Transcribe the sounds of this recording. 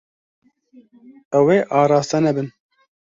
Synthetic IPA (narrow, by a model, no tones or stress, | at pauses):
ɛweːʔɑːɾɑːst̪ɛnɛbɨn